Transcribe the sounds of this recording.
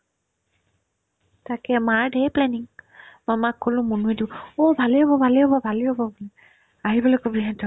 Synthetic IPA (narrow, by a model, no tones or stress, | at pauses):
takɛmaɹdejplɛniŋmamakʰːolʊ̃munuedibɔɔbʱaliɦɔbɔbʱaliɔbɔbʱaliɦɔbɔblɛ | aɦibɔlɔkɔbiɦãntʰɔ